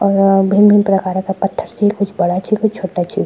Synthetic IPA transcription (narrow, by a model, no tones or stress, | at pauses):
ɔːɾbʱiminpɾəkaːɾkapət̪ʰːəɾt͡ʃʰikʊt͡ʃʰbəɽat͡ʃʰikʊt͡ʃʰt͡ʃʰoːʈat͡ʃʰi